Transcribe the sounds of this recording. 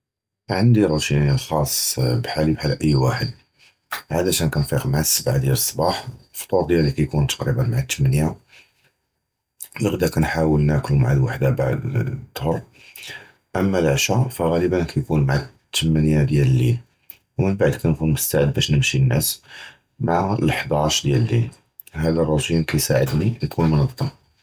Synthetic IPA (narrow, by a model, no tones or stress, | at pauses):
ʕənd̪iɾˤut̪inilxɑsˤːbħalibħalʔəjːwaħəd̪ | ʕalæʃænkænfiqmaʕasːəbʕad̪jæləsˤːbɑħfo̥t̪ˤuɾd̪jælːikæjkunt̪ɑqɾibənmaʕat̪ʰːəmænja | ləɣd̪ækænħawəlnæklumaʕalwaħd̪abaʕd̪t̪ːhoɾˤ | ʔəmːælʕʃæfæɣæləbənkæjkunmaʕat̪ʰːəmænjad̪jæləlːi | wmənbaʕd̪kænkunmʊst̪aʕəd̪̚bæʃnəmʃinːæ̰s | maʕaləħd̪ɑʃd̪jællːḭl | hæd̪ærˤːɑt̪imkæjsaʕəd̪nijkʰunmənət̪ˤːɑm